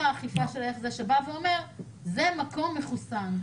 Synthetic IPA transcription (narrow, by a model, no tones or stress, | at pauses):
aːχifaʃeleχzeʃebaveome̞ʁ | zemako̞mːeχusam